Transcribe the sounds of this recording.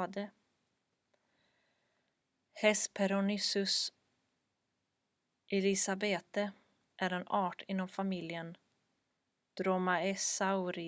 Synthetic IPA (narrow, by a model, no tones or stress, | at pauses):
d̪ə | hɛspʰɛɾɔnɪsɵs | ʔɛlɪsabeːt̪ə | ʔæɾɛnɑːʈʰɪnːɔmfamɪljən | d̪̥ɾɔmaɛsaʊɾɪ